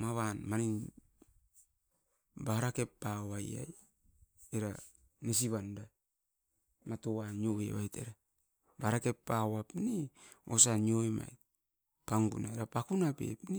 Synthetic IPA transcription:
maβanmanin | baɾake̞pːaaja̰j | eɾa | nes̬iβanda | matowanjoβḛβajtḛɾa | baɾake̞pːawapniosaɲioema̰j | paŋɡṵnaeɾapakunapḛpni

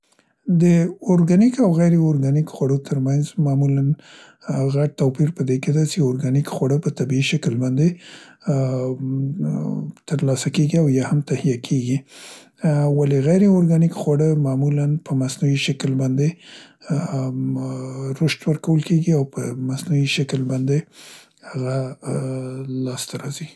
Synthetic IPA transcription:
d̪əʊɾɡanikawɣajɾeʊɾɡanikxwaɽot̪ʰəɾmanzmɑmulan | ɣaʈ̚t̪opiɾpəd̪eked̪at͡ʃeʊɾɡanikxwaɽəpət̪abiiʃaklbɑnd̪e | t̪əɾlɑsakeɡiawjɑhamt̪ahijakʰeɡi | waleɣajɾeoɾɡɑnikxwaɽəmɑmulanpʰəmasnuwiʃaklbɑnd̪e | ɾoʃt̪wəɾkawəlkeɡiawpəmasnuwiʃaklbɑnd̪e | haɣa | lɑst̪aɾɑzi

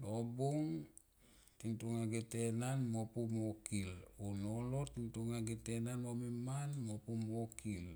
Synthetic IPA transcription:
nobuŋ | tintuŋaɡete̞nanmopumokilonolo̞tintuŋaɡetenanomemanmopumokʰil

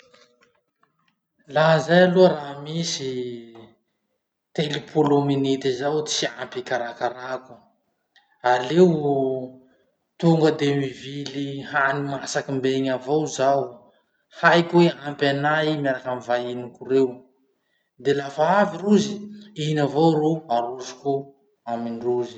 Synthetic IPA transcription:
laɦzajaluɾaɦmisi | t̪elipʰulominit̪izawiampikaɾakaɾaku̥ | alew | t̪uŋɡəd̪emivilihanimasakimbeŋavowzaw | hajkueampanaimjaɾakamivainikuɾew | d̪elafaaviɾuziinavowɾuaɾuzi̥ku | aminruzi̥

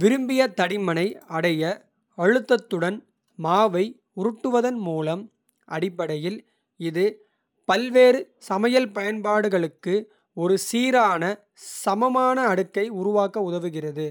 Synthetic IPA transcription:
ʋɪɾɯmbɪjɐt̪ɐɽɪmɐnɐɪɐɽɐjɐ | ɐɻɯt̪ːɐt̪ːɯɽɐn | maːʋɐɪ | ʊɾɯʈːɯʋɐðɐnmuːlɐm | ʔɐɽɪpːɐɽɐjɪl | ɪðɯ | pɐlʋeːɾɯ | sɐmɐjɐlpɐjɐnpaːɽɯɣɐɭɯkːɯ | ɔɾɯsiːɾaːnɐ | sɐmɐmaːnɐːɽɯkːɐɪʊɾʊʋaːkːɐʊðɐʋɯɣɪrɐðɯ

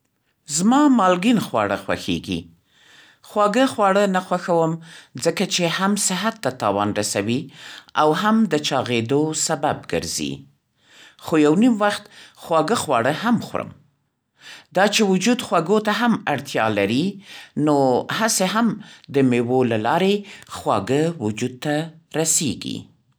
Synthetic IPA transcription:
zmɑmɑlɡinxwɑ̰ɽəxwa̰xḛɡḭ | xwɑɡəxwɑɽənaxwaxawəmzəkat͡ʃehamsɪɦat̪ːat̪ɑwɑnɾasawiawɦamd̪ət͡ʃɑɣed̪osabab̚ɡə̰ɾzḭ | xojawnimwaxt̪xwɑɡəxwɑ̰ɽəɦamxwɾə̰m | d̪ɑt͡ʃewʊd͡ʒud̪xwaɡot̪aɦamaɽt̪jɑ̰laɾinohaseɦamd̪əmewolalɑɾexwɑ̰ɡəwʊd͡ʒud̪̚t̪aɾasḛɡḭ

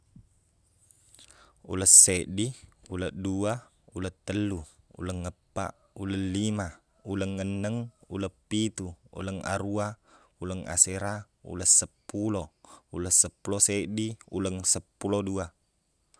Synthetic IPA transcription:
ṵləsːeʔdiuləʔdua | ulət̪ːəlːu | ṵləŋːəpːa̰ʔ | uləlima | uləŋːənːəŋṵləpːit̪uṵləŋa̰ɾua | uləŋa̰seɾa | ṵləsəpːulouləsəpːulosɛʔdiṵləŋsəpːulodua

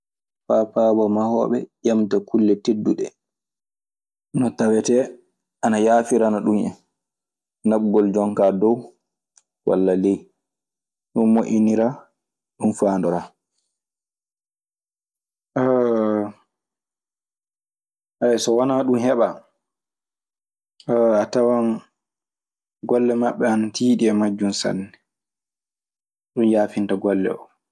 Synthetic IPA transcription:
fapabɔmahɔ̰ːɓɛjamtakulːɛtedːuɗɛ | nɔtawɛtɛ | ʔanajaːfiɾanaɗumɛ̰n | naɓ̚ɡɔld͡ʒɔŋkadɔw | wʔa̰lːalɛj | ɗunmoʔʲiniɾa | ɗunfaːndɔɾa | ʔɛsɔwanaɗumhɛɓa | atawan | ɡɔlːɛmaɓːɛanatʰiːɗiɛmad͡ʒːunsa̰nːɛ | ɗunjaːfintaɡɔlːɛ̰ɔ

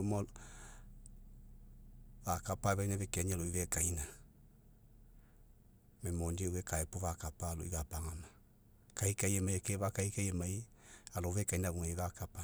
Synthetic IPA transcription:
omɔ | βakapaβainaβekɛɲɛloiβɛkaina | memoɲdewekaɛpoβakapalo̰ḭβapaŋama | kaikaiemaiekeβakaikaemae | aloβekainaβuŋeβakapa

